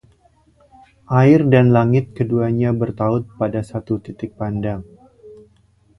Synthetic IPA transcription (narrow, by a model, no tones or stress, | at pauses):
ʔaɪrdanlaŋɪt̪̚kəduaɲabərt̪aʊt̪̚padasat̪ut̪it̪ɪk̚pandaŋ